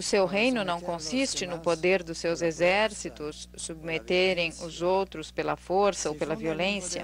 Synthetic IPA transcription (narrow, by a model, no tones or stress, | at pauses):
ʊsewɦejnʊnɐ̃w̃kõsist͡ʃɪnʊpod̪eɾd̪ʊsːewzezɛɾsit̪ʊsːubmet̪eɾẽj̃ʊzowt̪ɾʊspelɐfoɾsɐopelɐviolẽsjɐ̰